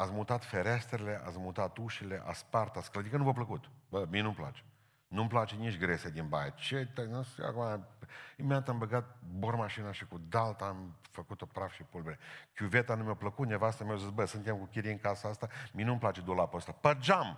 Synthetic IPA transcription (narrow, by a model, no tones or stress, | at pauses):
at̪sʲmut̪at̪feɾest̪ɾele̞ʔa̰smut̪at̪uʃileʔa̰spart̪at̪sklad̪ikənumopləkut̪bəmienumpla̰t͡ʃe̥ | numplat͡ʃenit͡ʃʲɡɾesed̪inba̰jt͡ʃet̪ənsa̰kumaimeat̪ambəɡat̪̚bormaʃinaʃikud̪alt̪aamfəkut̪o̞pɾafʃipulbeɾekʲjuvet̪anumeopləkut̪nevast̪ɾamʲeawzisbəsɨnt̪emkukʲiɾiɨŋkasaast̪amijenumplat͡ʃe̞d̪ulapoəst̪apərd͡ʒam